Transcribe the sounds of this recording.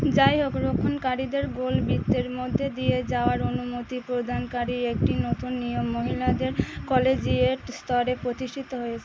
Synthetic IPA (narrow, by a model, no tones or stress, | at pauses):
d͡ʑajɦokɾokʰːonkaɾid̪eɾɡolbit̪ːeɾmod̪ʱːed̪ijed͡ʑaoaɾonumot̪ipɾod̪ʱankaɾiek̚ʈinot̪unːijomːoɦilad̪eɾkɔled͡ʑieʈst̪ʰɔɾepɾot̪iʃʈʰit̪oɦojet͡ɕʰe